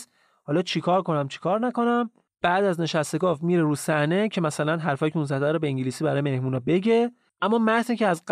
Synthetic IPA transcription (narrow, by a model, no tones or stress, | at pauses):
hɒːlɒːt͡ʃʰikʰɒːɾko̞næmt͡ʃʰi̥kʰɒːɾnæko̞næm | b̥æʔd̪æzne̞ʃæst̪e̞ɡɒːvmiːɾeɾuːsæhne̞cʰe̞mæsælænɦæɾfɒːjicʰeunzæd̪æɾɔbeiŋɟiliːsiːbæɾɒːjeme̞hmuːnɒbe̞ɟe̞ | ʔæmːɒːmæɾziːcʰeæzɢ